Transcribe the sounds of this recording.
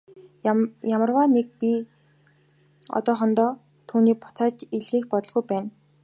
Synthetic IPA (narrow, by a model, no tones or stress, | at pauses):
jamə̆rwaːnek̚pi | ɔ̰t̪ɔːχɔnt̪ɔː | t̪ʰuːniːpʊ̥t͡saːt͡ɕiɮɣiːxpɔt̪ɞ̆ɮɣujpæːn